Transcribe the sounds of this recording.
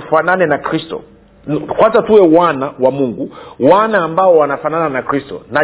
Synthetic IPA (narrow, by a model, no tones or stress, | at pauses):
fananɛnakɾistɔ̰ | kwazatuwɛwanawamuŋɡuwanaːmbaɔwanafanananakɾistɔ̰na